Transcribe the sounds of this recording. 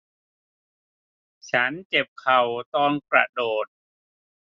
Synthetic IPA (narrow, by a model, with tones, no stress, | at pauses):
t͡ɕʰa˦˥nt͡ɕe˨˩p̚kʰa˨˩wt̪ɔː˧npɾa̰˨doː˨˩t̪̚